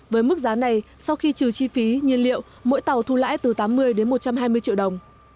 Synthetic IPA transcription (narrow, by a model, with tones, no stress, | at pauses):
vəː˨˦jmɨ˦˥k̚zaː˨˦na˨˩jsa˧wxi˧t͡ɕɨ˨˩t͡ɕi˧fi˨˦ɲi˧ənlḭ˧˨əw | mo̰˧˥jt̪a˨˩wt̪ʰu˧la̰ː˧˥jt̪ɨ˨˩t̪aː˨˦mːɨ˧əjɗe˨˦nmo˨˩t̚t͡ɕa˧mɦaː˧jmɨ˧ət͡ɕḭ˧˨wɗə˨˩wŋ͡m